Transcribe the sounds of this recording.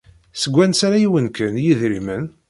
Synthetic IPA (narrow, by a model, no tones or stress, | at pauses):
səɡʷːænsaɾæjiwənkənjiðɾimən